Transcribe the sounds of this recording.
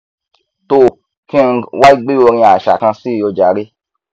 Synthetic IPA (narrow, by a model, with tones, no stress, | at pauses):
to˧˨ | kĩ˦˧wa˦i˦ɡ͡be˦o˧ɾĩ˧a˨ʃa̰˨kã˧si˦˧jo˧d͡ʒa˨ɾi˦